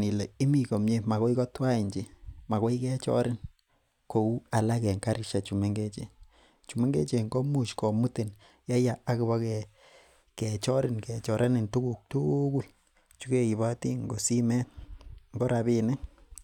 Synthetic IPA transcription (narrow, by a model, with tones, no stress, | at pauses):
ni˨le˨i˦mi˨ko˨mɲe˦ma˨ko˦i˦kɔ˦twa˦i˨ɲd͡ʒi˨ma˨kɔ˦i˦kɛ˦t͡ʃɔ̰˦ɾɪ˦n | ko˨u˦a˨la˦kɛ˨ŋka˦ɾi˦ʃa˨t͡ʃu˨me˦ŋɡe˦t͡ʃḛ˨ | t͡ʃu˨me˦ŋɡḛ˦t͡ʃe˨ŋɡo˦mu˦t͡ʃkɔ˨mu˦te˨n | ja˦ja˨a˦kɪ˨βa˦kɛ˨ | kɛ˨t͡ʃɔ˦ɾɪ˨nkɛ˨t͡ʃɔ˨ɾʔa˦nɪ˨ntu˦ku˨k̚tu˦ku˦ | t͡ʃu˦ke˨i˨βa˦ti˦ŋɡo˨si˦mɛ˦ŋɡo˦ɾa˨bi˦nɪ˦